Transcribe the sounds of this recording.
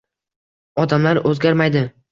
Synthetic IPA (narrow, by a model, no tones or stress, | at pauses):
ɒd̪amlaɾɵzɡʲaɾmajd̪ɪ